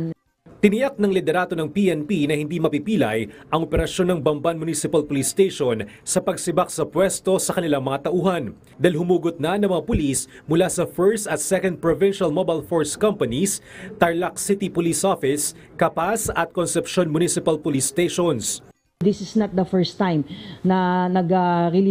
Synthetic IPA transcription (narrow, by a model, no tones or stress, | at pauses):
t̪ɪnɪjak̚nɐŋlɪd̪ɛɾaːd̪o̞nɐŋpiʔɛnpinɐhɪnd̪imɐpipiːlɐjʔɐŋʔopɛɾɐʃjo̞nːɐŋbɐmbanmʊnisɪpɐlpʊlist̪ejʃon | sɐpɐɡsɪbaksɐpwɛst̪o̞sɐkɐnɪlaŋmɐŋat̪ɐʔuːhɐn | d̪aːɪlɦʊmuːɡot̪̚nɐnɐŋmɐŋapʊlis | mʊlasɐfɛɹst̪ɐt̪sɛkond̪̚pɹovɪnʃɐlmobalfoɹskɐmpɐnist̪ɐɹlak̚sɪt̪ipʊlisʔofɪs | kɐpasɐt̪̚konsɛpʃo̞nmʊnisɪpɐlpʊlist̪ejʃons | ðɪsɪsnɐt̪̚d̪ɐfɛɹst̪ːãjmnɐnɐɡaɾil